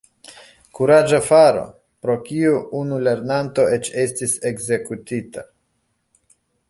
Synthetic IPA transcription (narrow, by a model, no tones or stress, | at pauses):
kuɾad͡ʒafaɾo̞̰ | pɾo̞kiuʔunule̞ɾnanto̞e̞t͡ʃe̞stise̞ɡze̞kut̪ita